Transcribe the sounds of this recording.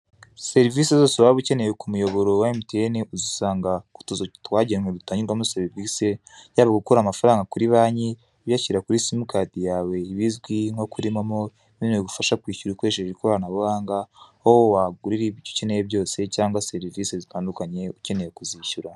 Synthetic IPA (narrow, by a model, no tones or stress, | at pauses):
se̞ɾivisezoseβaoβuce̞ne̞jekumujo̞βo̞ɾo̞waimutieneʔuzisaːŋɡaku̥tuzotwaːɟemwedutaːɲiɾɡwamuseɾivise | jaːβaɡukoɾamafaɾaːŋɡakuɾiβaːɲi | βjaciɾakuɾisimukaːtijaːwe̞iβizɡwiŋ̥ho̞kuɾimamo̞ | niːneɡufaʃakwiːʃuɾikweːʃeɾeɾikoɾanaβuhaːŋɡahowowaɡuɾiɾiβiɟoce̞nejeβɟo̞ːse̞caːŋɡwaseɾiviːsezitaːndukaɲe̞uce̞ne̞jekuziːçuɾa